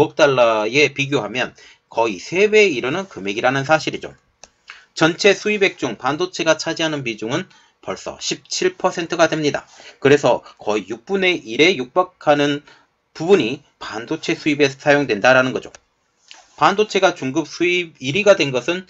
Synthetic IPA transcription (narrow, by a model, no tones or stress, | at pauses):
ʌp̚t͈aɭːae̞piɡjoɦamjʌn | kʌisʰe̞be̞iɾɯnɯnkɯme̞ɡiɾanɯns̬ʰaɕʰiɾid͡ʑo̰ | t͡ɕʌnt͡ɕʰe̞sʰuibe̞k̚t͡ɕ͈uŋpandot͡ɕʰe̞ɡat͡ɕʰad͡ʑiɦanɯnpid͡ʑuŋɯn | pʌɭs͈ʌ̰ɕʰip̚t͡ɕʰiɭpʰʌsʰe̞ntʰɯɡadwe̞mɲida̰kɯɾe̞sʰʌkʌijuk̚p͈une̞ʔiɾe̞juk̚p͈akʰanɯn | pubuɲi | pandot͡ɕʰe̞sʰuibe̞sʰsʰajoŋdwe̞ndaɾanɯnɡʌd͡ʑo̰ | pandot͡ɕʰe̞ɡat͡ɕuŋɡɯp̚s͈ʰuibiɾiɡadwe̞nɡʌsʰɯn